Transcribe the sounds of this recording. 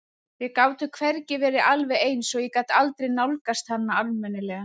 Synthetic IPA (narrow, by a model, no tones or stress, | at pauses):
vɪkaːwt̪ʏkʰvɛɾcɪvɛːɾɪʔalvɛejnsɔɣjɛkat̪alt̪ɾejnawlkast̪hanːaalmɛnɪlɛːɣa